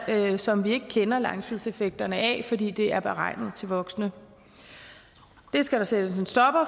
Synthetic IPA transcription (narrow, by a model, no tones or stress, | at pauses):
sɒ̽mʋie̝ɡ̥əkʰenɐlɑ̈ŋt͡sʰið̞̰ˠse̝feɡ̥̚d̥ɐnəʔɛ̰fɒ̽dḭːd̥e̝æɐb̥eʁɑ̈ɪnð̞̩ˠt͡sʰe̝lʋɒ̽ɡ̥snə | d̥e̝sɡ̥æɾ̥ɑsed̥əsensd̥ɒ̽b̥ɐ